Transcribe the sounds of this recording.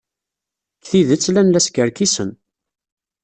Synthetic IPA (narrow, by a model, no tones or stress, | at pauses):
kθiðət͡sːlænlæskəɾkisən